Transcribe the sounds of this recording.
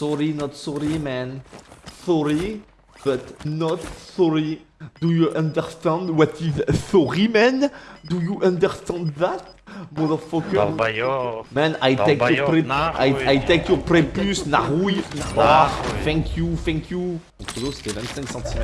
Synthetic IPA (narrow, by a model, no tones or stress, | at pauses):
sɔʁinɔt̪sɔʁimɛ̃nsɔɹi | b̥ət̪nɔt̪sɔɹid̥̪ujuʔãnd̪əʁst̪ɛ̃nd̪wɔt̪izsɔʁimɛ̃nd̪ujuʔãnd̪əʁst̪ɛ̃nd̪ðat̪̚ | mɔðəfɔk | mɛ̃najekɔpɛnajajt̪ekjɔpʁɛpysnaʁwinabafɛ̃ŋkʰjufɛ̃ŋkʰju | ɔ̃t̪od̪ose̥t̪ɛvɛ̃nt̪sɛ̃ŋksɑ̃t̪im